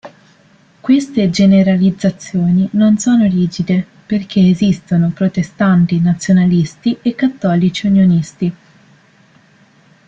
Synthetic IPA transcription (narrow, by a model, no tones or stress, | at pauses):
kwest̪ed͡ʒeneɾalid̪zːat̪sːjoːninonsoːnoɾiːd͡ʒid̪e | perk̟ʰeːzist̪onopɾot̪est̪ant̪inat̪sːjonalist̪iʔekːat̪ːɔːlit͡ʃiunjonist̪i